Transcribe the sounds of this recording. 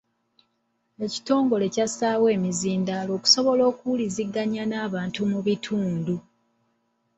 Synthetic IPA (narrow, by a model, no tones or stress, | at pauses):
e̞ci̥to̞ːŋɡo̞le̞casaːwe̞ːmiziːndalo̞ːku̥so̞βo̞lo̞ːkuliziɡːaɲanaːβaːntumuβitʰuːndu